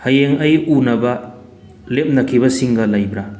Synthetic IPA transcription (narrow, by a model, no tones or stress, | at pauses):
hajeŋajunɐbɐ | lep̚nɐkʰibɐsiŋɡɐlajbɾa